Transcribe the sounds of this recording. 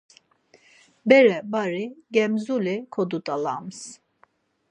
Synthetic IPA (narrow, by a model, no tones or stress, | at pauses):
bɛɾɛbaɾiɡɛmzulikʰod̪ut̪ʰʼalams